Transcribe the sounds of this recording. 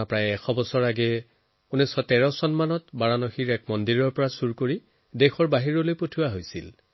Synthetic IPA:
apɹajɛxʰɔbɔsɔɹaɡɛ | unisɔtɛɹɔsɔnmanɔtbaɹanɔxiɹɛk̚mɔndiɹɔɹpɔɹasuɹkoɹi | dexʰɔɹbaɦiɹɔlojpotʰuwaɦojsḭl

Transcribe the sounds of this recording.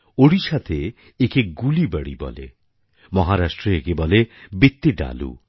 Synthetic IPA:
oɽiʃat̪ʰe | ekeɡulibəɽibɔ̰lḛ | mɔɦaɾasʈɾeekebɔlebit̪ːiɖa̰lṵ

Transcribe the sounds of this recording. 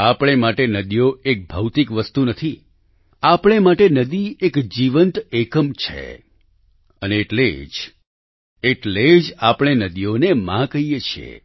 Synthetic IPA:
apɽ̃emaʈenəd̪ijoek̚bʱəwt̪ikʋəst̪unət̪ʰi | apɽ̃emaʈenəd̪iekd͡ʒiʋənt̪ekəmt͡ʃʰḛ | əneːʈled͡ʒ | eʈled͡ʒapɽ̃enəd̪ijonemãkəɦijet͡ʃʰiḛ

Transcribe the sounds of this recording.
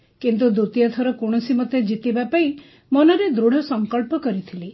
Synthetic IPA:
kint̪̬ud̪ut̪ijɔt̪ʰɔɾɔkoɽ̃ɔsimɔt̪ːed͡ʒit̪ibapai | mɔnɔɾed̪ɾuɽ̤ɔsɔŋkɔɭpɔkɔɾit̪ʰili

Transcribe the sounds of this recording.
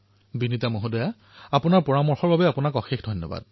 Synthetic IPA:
binitamoɦodɔja | apʊnaɹpɔɹamɔɹxɔɹbabɛapʊnakɔxexdʱɔnːɔ̰ba̰d̚

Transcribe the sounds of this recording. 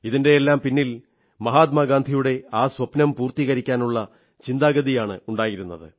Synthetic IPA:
iðinde̞jelːaːmpinːil | mɐɦaːt̪̬maːɡaːnd̪ʱijuɽe̞aːswɐpnɐmpuːrt̪iɣɐɾikʲːaːnuɭːɐ | t͡ɕind̪aːɡɐðijaːɳɨuɳɖaːjiɾunːɐðɨ̰

